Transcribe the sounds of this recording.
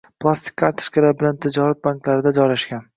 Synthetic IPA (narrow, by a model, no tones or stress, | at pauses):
pʰlˠast̪ɪ̥kʲʰːat̪ʰɪ̥ʃkʲɪlabɪlant̪ʰɪd͡ʒɒɾat̪̚baŋklaɾɪd̪ad͡ʒɒjlaʃkʲan